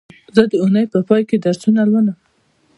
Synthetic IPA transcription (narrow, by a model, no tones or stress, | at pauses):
zəd̪əunəjpəpɑjked̪aɾsunalwəna